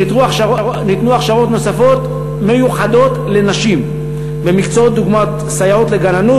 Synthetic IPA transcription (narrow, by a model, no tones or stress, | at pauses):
itunit̪nuaχʃaʁo̞t̪no̞safo̞t̪ | me̞juχad̪o̞t̪le̞naʃim | be̞mikt͡soot̪̚d̪uɡmat | sajaot̪le̞ɡananu